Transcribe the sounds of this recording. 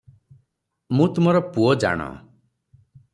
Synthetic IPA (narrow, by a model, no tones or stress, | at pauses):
mũt̪um̤ɔɾɔpuɔd͡ʒa̰ɽ̃ɔ̰